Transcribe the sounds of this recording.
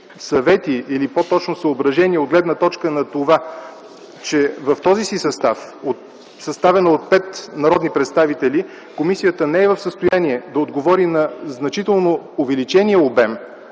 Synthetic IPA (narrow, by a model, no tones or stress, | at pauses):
sɐvɛt̪iːlipot̪ɔt͡ʃnosəobɾɐʒɛniɛod̪ɡlɛd̪nət̪ɔt͡ʃkənɐt̪ova | t͡ʃɛvɐft̪ɔzisisɐst̪afot̪ | sɐst̪avɛnəot̪̚pɛt̪nɐɾɔd̪nipɾɛt̪st̪avit̪ɛli | komisijət̪ənɛɛvəfsəst̪ojaniɛd̪ɐod̪ɡovɔɾinɐznɐt͡ʃit̪ɛlˠnoovɛlit͡ʃɛniəobɛm